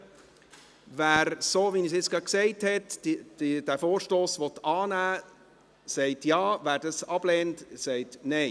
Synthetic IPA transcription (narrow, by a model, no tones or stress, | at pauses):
væːɾsoːʋinisɪt͡sɡ̥ɾɑksɛɪthɛt | d̥æfoːɾʃtoːsʋɔtɑːnæː | sɛɪtjɑːvæːɾdɑsɑb̥lɛːntsɛɪtnɛɪ